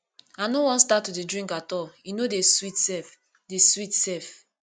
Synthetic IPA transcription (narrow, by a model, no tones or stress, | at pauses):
anowɔ̃nstatːudedɹĩŋkatɔlinodeswitsɛf | deswitsɛf